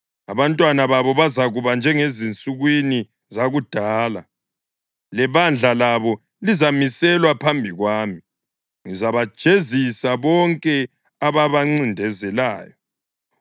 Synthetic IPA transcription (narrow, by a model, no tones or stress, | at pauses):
aβantʼwanaβaβɔβazaɣuβand͡ʒʱɛŋezint͡sʼuɣwini | zaɣud̥ʱaːla̰ | lɛβand͡ɮʱalaβɔ | lizamisɛlwapʰambʱiɣwaːmi | ŋizaβḁʒ̥ʱezisaβɔŋkʼɛ | aβaβaŋ͡ǀindʱɛzɛlaːjɔ